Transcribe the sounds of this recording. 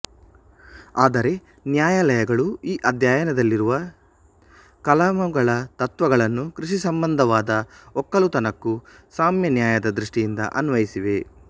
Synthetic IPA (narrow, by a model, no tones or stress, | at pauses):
aːd̪ɐɾe̞ | njaːjalɐjɐɡɐɭuiːʔɐd̪jaːjɐnɐd̪ɐlːiɾuʋɐ | kɐlɐmɐɡɐɭɐt̪ɐt̪ʋɐɡɐɭɐnːukɾiʂisɐmbɐnd̪ʱɐʋaːd̪ɐɔkːɐlut̪ɐnɐkːusaːmjɐnjaːjɐd̪ɐd̪ɾiʂʈijind̪ɐ̰ʔɐnʋɐjisiʋe̞